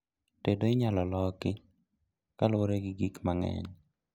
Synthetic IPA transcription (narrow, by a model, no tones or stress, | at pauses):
tedoɪɲalɔlɔkɪ | kalwoɾeɡɪɡikmaŋɛ̰ɲ